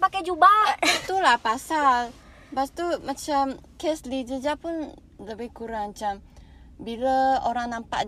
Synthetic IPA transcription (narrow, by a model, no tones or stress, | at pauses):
pakajd͡ʒubaat̪ulahpasal | bast̪umat͡ʃamkɛslid͡ʒəd͡ʒapʊn | ləbahkuɾaŋmat͡ʃam | biləoɾaŋnampaʔ